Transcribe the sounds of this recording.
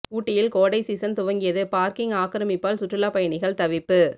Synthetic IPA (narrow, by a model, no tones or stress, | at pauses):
kuːʈːɪjɪlkoːɽɐɪsiːsɐnt̪ʊʋɐŋɡɪjɐðɯpaːɾkɪŋaːkɪɾɐmɪpːaːlsʊʈːrɪlaːpɐjɐɳɪɣɐɭt̪ɐʋɪpːɯ